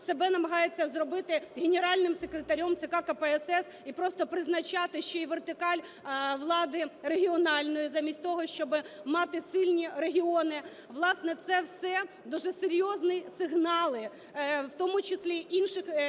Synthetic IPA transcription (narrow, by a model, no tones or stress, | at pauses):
sebɛnɐmɐɦɑjet͡sʲːɐzrɔbɪt̪ɪɦenʲeɾɑlʲnɪmsekɾet̪ɐɾʲɔmt̪sɪkɑkɐpɛɛsɛs | ipɾɔst̪ɔpɾɪznɐt͡ʃɑt̪ɪʃt͡ʃɔiʋert̪ɪkɑlʲ | ʋlˠɑd̪ɪreɦʲiɔnɑlʲnɔjizɑmʲisʲt̚ʲt̪ɔɦɔʃt͡ʃɔbɪmɑt̪ɪsɪlʲnʲiɾeɦʲiɔnɪ | ʋlˠɑsnɛt̪sɛwsɛ | d̪uʒɛseɾʲjɔznɪsɪɦnɑlˠɪ | wt̪ɔmʊt͡ʃɪsʲlʲiʔinʃɪx